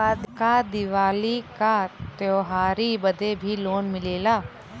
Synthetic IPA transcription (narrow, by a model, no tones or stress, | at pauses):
ad̪kad̪ɪʋaːlikat̪joːɦaːɾibəd̪ebʱiloːnmɪleːlaː